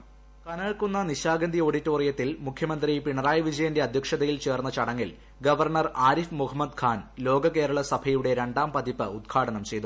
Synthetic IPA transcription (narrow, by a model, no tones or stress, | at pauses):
kɐnɐːɭkunːɐniɕaːɡɐnd̪io̞ːɽitːoːrijɐt̪ːilmukʰːjɐmɐnd̪rijpiɳɐraːjɐʋid͡ʑɐjɐnde̞ɐd̪ʱjɐkʂɐðɐjilt͡ɕe̞ːrnːɐt͡ɕɐɽɐŋːil | ɡɐʋɐrɳɐraːɾifmuɦɐmːɐd̪kʰaːnlo̞ːɡɐke̞ːɾɐɭɐsɐbʰʱɐjuɽe̞ɾe̞ɳɖaːmpɐd̪ipːɨud̪̚ɡʰaːɽɐnɐmt͡ɕe̞jt̪u